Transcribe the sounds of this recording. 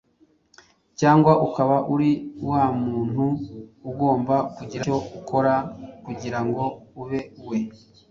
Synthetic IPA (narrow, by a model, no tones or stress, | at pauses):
caːŋɡwaʔukaβaʔuɾiwaːmuːn̥huːɡo̞ːmbakuɟiɾao̞ukʰo̞ɾakuɟiɾaŋɡo̞uβe̞we̞